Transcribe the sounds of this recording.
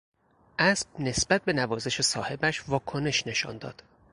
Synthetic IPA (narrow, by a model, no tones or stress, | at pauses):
ʔæsb̥̚ne̞sbæt̪̚be̞nævɒːze̞ʃe̞sɒːhe̞bæʃvɒːkʰo̞ne̞ʃne̞ʃɒ̰nd̪ɒ̰ːd̪̥